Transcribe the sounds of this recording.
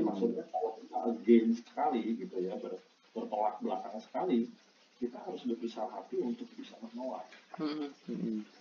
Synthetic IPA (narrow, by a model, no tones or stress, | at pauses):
dimaksʊt̪̚ɲakawakit̪aəɡɛnsə̥kə̥kaliɡit̪ujabər | bərt̪olak̚bəlakaŋsə̥kali | kit̪aɦaɾʊsudabisalaɦa̰t̪iunt̪ʊk̚bisaməɲola̰t̪̩̚